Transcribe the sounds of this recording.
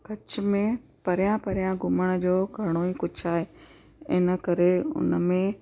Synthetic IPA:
kɐt͡ɕmẽpɐɾjãpɐɾijãɡʱʊməɽ̃əd͡ʑoːɡʱɐɽ̃oikʊd͡ʑʱʰaːɦeː | ɪ̰nəkɐɾeʊ̰nmẽ

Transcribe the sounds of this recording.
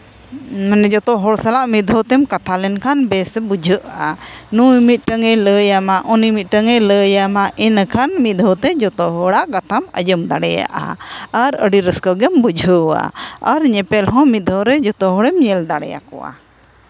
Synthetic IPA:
mɛnɛd͡ʒɔt̪ɔɦɔɽsalaʔmid̪ʱɔt̪ɛmkat̪ʰalɛnkʰanbɛsɛbud͡ʒʱəʔa | nujmit̪̚ˀʈəŋɛləjamaʔɔnimit̪̚ˀʈəŋɛləjamaʔinkʰanmid̪ʱɔt̪ɛd͡ʒɔt̪ɔɦɔɽaʔkat̪ʰamə̰jəmd̪aɽɛja̰ʔa̰aɾəɖiɾəskəɡɛmbud͡ʒʱəwa̰aɾɲɛpɛlɦɔ̃mit̪d̪ʱɔɾɛd͡ʒɔt̪ɔɦɔɽɛmɲɛld̪aɽɛ̰ja̰kɔ̰wa̰

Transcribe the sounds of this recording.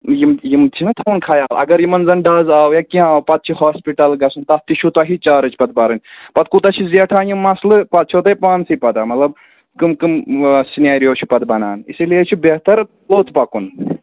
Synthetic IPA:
jimjimt͡ʃʰinɨt̪ʰɐunkʰɐjaːlɐ̰ɡɐɾjimɐnzɐnɖaːzaːwjakiãaːwpɐt̪̚t͡ʃʰihaːspiʈɐlɡɐsunt̪ɐt̪it͡ʃʰut̪ɐɦit͡ʃaːɾɨt͡ʃʰpɐt̪̚bɐɾɨnʲpɐt̪̚kut̪ɐt͡ʃʰizeʈʰaːnjimːɐslɨpɐt̪̚t͡ʃʰoːt̪ɐjpaːnsipɐd̪amɐt̪lɐb̚ | kɨmkɨmsinaːɾijoːt͡ʃʰu̥pɐt̪̚bɐnaːnḭsilijet͡ʃʰibeːht̪ɐɾ | loːt̪ʰpɐkun

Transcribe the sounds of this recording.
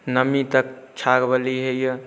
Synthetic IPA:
nəmit̪ək̚t͡ʃʰaɡbəliɦəjə

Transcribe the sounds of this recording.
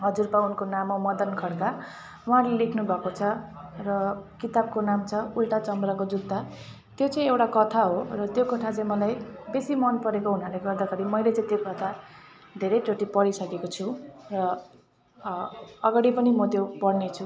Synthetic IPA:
ɦʌd͡zurpaunkonamomʌd̪ʌnkʰʌɽka | uɦarlelekʰnubʱʌkot͡sʰʌrʌkit̪ab̚konamt͡sʰʌulʈat͡sʌmbrakod͡zud̪ːa | t̪jot͡sʌ̃ĩewʈakʌt̪ʰaɦorʌt̪jokʌt̪ʰat͡sãĩmʌlajbesimʌnpʌɾekoɦunarleɡʌrd̪aɡʌɾimʌjlet͡sãĩt̪jokʌt̪ʰa | d̪ʱeɾʌjʈoʈipʌɽisʌkekot͡sʰurʌ | ʌɡaɽipʌnimʌt̪jopʌrnet͡sʰu

